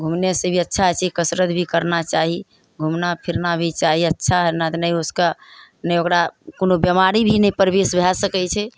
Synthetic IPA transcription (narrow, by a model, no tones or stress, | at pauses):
ɡʱumnesebʱiətːʃʰaɦt͡ʃʰikəsɾət̪bʱikəɾnat͡ʃaɦi | ɡʱumnapʰiɾnabʱit͡ʃaɦiətːʃʰaɦɛnat̪nəjoskanəjokɾakonobjəmaɾibʱinɛjpəɾbesbʱɛsəkɛt͡ʃʰɛ